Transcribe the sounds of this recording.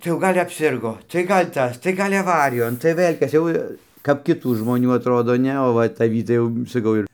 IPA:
tɐɪ jɛʊ ˈɡɐlʲ ɐpʲˈsʲɪrɡoː tɐɪ ˈɡɐlʲ ˈtɐs tɐɪ ˈɡɐlʲ ɐˈʋɑːrʲɪjoːn tɐɪ ˈʋɘlʲ ˈkɐs jɛʊ kɐp kʲɪˈtuː ʒmoːˈnʲuː ɐtˈroːdoː ˈnʲɛ oː ˈʋɐ tɐˈʋʲiː tɐɪ jɛʊ sɐˈkɐʊ ɪr

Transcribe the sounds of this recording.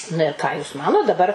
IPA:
nɐ ɪr ˈkɑː juːs ˈmɑːnoːt dɐˈbɐr

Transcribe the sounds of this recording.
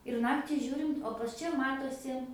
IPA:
ɪr ˈnɑːktʲɪ ˈʒʲuːrʲɪnt oː pɐs ˈt͡ʃʲɛ ˈmɑːtoːsʲɪ

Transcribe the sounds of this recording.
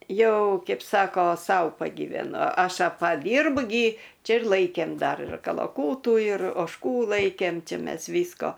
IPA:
ˈjɛʊ ˈkʲɛɪp ˈsɑːkoː ˈsɐʊ pɐɡʲiːʋʲɛˈnʊ ˈɐʃ pɐˈdʲiːrbʊ ɡʲɪ ˈt͡ʃʲɛ ɪr ˈlˠɐɪkʲeːm ˈdɐr ɪr kɐlˠɐˈkuːtuː ɪr oːʃˈkuː ˈlˠɐɪkʲeːm ˈt͡ʃʲɪ ˈmʲɛs ˈʋʲiːskoː

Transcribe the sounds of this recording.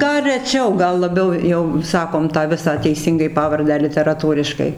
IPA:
ˈɡɐlˠ rʲɛˈt͡ʃʲɛʊ ˈɡɐlˠ lˠɐˈbʲɛʊ jɛʊ ˈsɑːkoːm ˈtɑː ˈʋʲɪsɑː tʲɛɪˈsʲiːŋɡɐɪ ˈpɑːʋɐrʲdʲæː lʲɪtʲɛrɐˈtuːrʲɪʃkɐɪ

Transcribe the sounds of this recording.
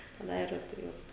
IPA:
tʲɛˈnɐɪ ɪr tɐɪ ˈʋɐt

